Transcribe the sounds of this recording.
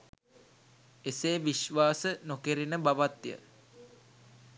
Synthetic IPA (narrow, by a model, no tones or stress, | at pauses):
eseːʋiʃʋaːsənokeɾinəbaʋat̪jə̰